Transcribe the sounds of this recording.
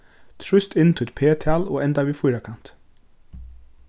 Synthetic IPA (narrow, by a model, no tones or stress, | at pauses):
t̪ʰɹʏst̪ɪnt̪ʰɪɛt̪̚pʰeːt̪ʰɑːlo̰ːɛnd̪ɑʋiːfʊjɾakʰɑnt̪